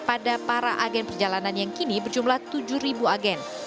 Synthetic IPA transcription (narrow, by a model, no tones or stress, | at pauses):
padapaɾaʔaɡɛnpərd͡ʒalananjaŋkinibərd͡ʒumlaht̪ud͡ʒuhɾibuaɡɛn